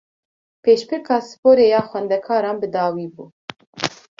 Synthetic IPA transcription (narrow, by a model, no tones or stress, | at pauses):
pʰeːʃpʰɨɾkʰɑːsɨ̥poːɾeːjɑːxʷwɛnd̪ɛkʰɑːɾɑːnbɨd̪ɑːwiːbuː